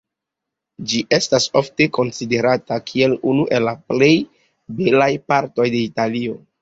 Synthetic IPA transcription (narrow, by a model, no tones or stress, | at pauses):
d͡ʒiʔe̞stasofte̞ko̞nside̞ɾatakʰie̞lunuʔe̞lːaple̞j | belajpaɾto̞jde̞italio̞